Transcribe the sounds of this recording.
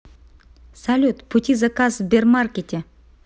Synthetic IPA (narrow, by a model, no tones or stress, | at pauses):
salʲut̪pʰut̪ʲizakazvbʲermarkʲet̪ʲe